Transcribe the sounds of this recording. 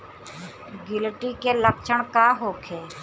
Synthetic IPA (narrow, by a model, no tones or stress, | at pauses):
ɡɪlʈiːkeːləp̚t͡ʃʰəɳkaːɦoːkʰeː